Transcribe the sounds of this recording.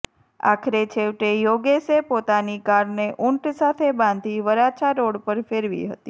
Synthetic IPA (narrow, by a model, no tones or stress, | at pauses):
a̰kʰɾet͡ʃʰeʋʈejoɡesepot̪anikaɾneʔuɳʈsat̪ʰebãnd̪ʱiʋəɾat͡ʃʰaɾoɽpəɾfeɾʋḭɦə̰t̪i